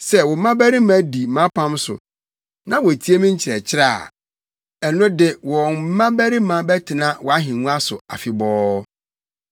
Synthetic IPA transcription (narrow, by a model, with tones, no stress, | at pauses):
sɛ˦wɔ˨m˦mã˦bæ˦ɾi˦mã˦di˨mã˦pʰã˦msʊ̰˨ | nã˦wɔ˨tʰi˦e˦mĩ˦ɲ̩˦t͡ɕʰɪ˨ɾɛ˨t͡ɕʰɪ˦ɾaː˦˨ | ɛ˨nʊ̃˦dɪ˦wɔ˨n˦mã˦bæ˦ɾi˦mã˨bɛ˦tʰɪ˨nã˦wɔ˨a˦ɦɪ̃˨nũ˦a˦sʊ̰˨a̰˨fɪ˨bɔː˦